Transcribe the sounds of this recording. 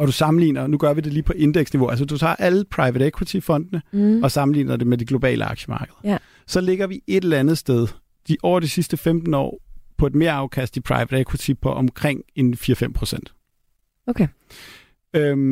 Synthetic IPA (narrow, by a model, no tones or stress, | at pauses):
ɒ̽ɾ̥usɑ̈mn̩lḭːnɐnuɡ̥ɶɐʋide̝liːpʰɒ̽ʔe̝nd̥eɡ̥sniʋo̝æls̬ədut͡sʰɑ̰̈ːʔæləpʰʁɑ̈ɪʋəɾ̥ekʰwit͡sʰifɒ̽n̰d̥nəɒ̽sɑ̈mn̩lḭːnɐd̥e̝med̥iɡ̥lo̝b̥ɛ̰ːləɑ̈ɡ̥ɕəmɑ̈ːɡ̥əðˠɐ | sɒ̽le̝ɡ̥ɐʋie̝ɾ̥elɐænð̩ˠsd̥eð̞ˠ | d̥iʔɒ̰ːɐd̥isisd̥əfemd̥n̩ɒ̰ːpʰɒ̽e̝d̥me̝ɐɑ̈ʊkʰæsd̥ipʰʁɑ̈ɪʋəd̥ekʰwit͡sʰipʰɒ̽ʔɒmkʰʁeŋ̰enfiːɐfem̰pʰʁo̝sen̰d̥ | ok | ø